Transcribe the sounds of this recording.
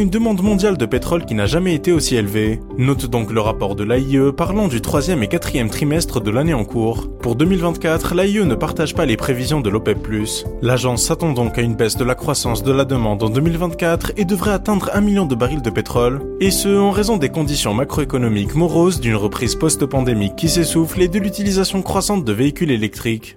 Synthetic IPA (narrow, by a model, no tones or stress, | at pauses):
ynd̪əmɑ̃d̪mɔ̃d̪jald̪əpet̪χɔlkʲinaʒamɛet̪eosielve | nɔt̪d̪ɔ̃kləʁapɔʁd̪əlaiøpaʁlɑ̃d̪yt̪χwazjɛmekat̪χijɛmt̪χimɛst̪χəd̪əlaneɑ̃kuːʁpuʁd̪ømilvɛ̃t̪̚kʲat̪χlaiønəpaʁt̪aʒpalepχevizjɔ̃d̪əlɔpɛpːlyslaʒɑ̃sːat̪ɑ̃d̪ɔ̃kaynbɛsd̪əlakχwasɑ̃sd̪əlad̪əmɑ̃d̪ɑ̃d̪ømilvɛ̃t̪̚kat̪χed̪əvʁɛat̪ɛ̃d̪ʁɛ̃miljɔ̃d̪əbaʁild̪əpet̪χɔl | esəɑ̃ʁezɔ̃d̪ekɔ̃d̪isjɔ̃makχoekɔnɔmikmɔʁozd̪ynʁəpχizpɔst̪pɑ̃d̪emikʲːisesufled̪əlyt̪ilizasjɔ̃kχwasɑ̃t̪̚d̪əveikʲylelɛk̚t̪χik